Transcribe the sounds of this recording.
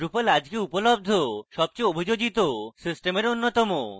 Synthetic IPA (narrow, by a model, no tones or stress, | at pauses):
ɾupolad͡ʑɡeupolob̚d̪ʱoʃɔb̚t͡ɕejobʱid͡ʑoɡit̪osisʈemeɾonːot̪ɔmo